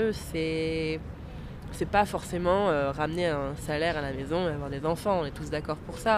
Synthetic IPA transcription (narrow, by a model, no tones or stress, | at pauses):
øsɛ | sɛpafɔʁsemɑ̃øʁamneɛ̃salɛʁalamezɔ̃eavwaʁd̪ezɑ̃fɑ̃ɔ̃nɛt̪usd̪akɔʁpuʁsa